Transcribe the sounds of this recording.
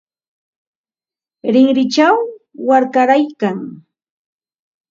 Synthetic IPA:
ɾɪŋɾɪt͡ʃawːaɾkaɾajkaŋ

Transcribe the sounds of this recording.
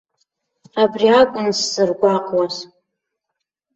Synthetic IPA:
abriakʷʼʊnsːɨrɡʷaqʼwaz

